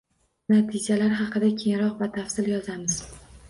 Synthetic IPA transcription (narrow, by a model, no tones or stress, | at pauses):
nat̪ʰɪd͡ʒalaɾɦɑqʰɨd̪akʲʰeŋɾɒqvat̪ʰafsɪljɒzamɪz̥